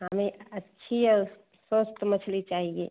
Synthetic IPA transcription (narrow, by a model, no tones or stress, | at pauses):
ɦɐmeɐtːʃʰijɔ | sost̪mɐt͡ʃʰlit͡ʃaːɦĩɡḛː